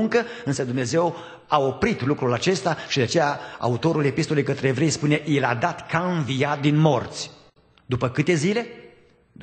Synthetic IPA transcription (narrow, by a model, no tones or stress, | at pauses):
uŋkəɨnsəd̪umneze̞w | ao̞pɾit̪lukɾulat͡ʃe̞st̪aʃid̪eat͡ʃe̞jaa̰ut̪o̞ɾule̞pist̪o̞le̞jkət̪ɾeːvɾe̞jspune̞ʔjelad̪at̪kaɨnvijat̪̚d̪inmo̞rt̪sʲ | d̪upəkɨt̪e̞zile̞